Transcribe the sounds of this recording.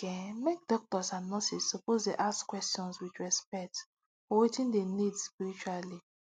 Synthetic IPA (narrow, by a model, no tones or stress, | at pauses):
kɛmek̚dɔk̚tɔsãnnːɔsissopozdeʔaskwɛstiɔ̃nswit͡ʃɹɛspɛk̚t | ɔwetĩndenidsspiɾit͡ʃuali